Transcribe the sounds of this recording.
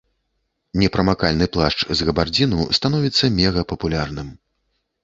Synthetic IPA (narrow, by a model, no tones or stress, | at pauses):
nʲɛpɾɐmakalʲnɨplˠaʂt͡ʂzɣɐbard͡zʲinust̪anɔvʲit̪sːɐmʲɛɣɐpɐpulʲarnɨm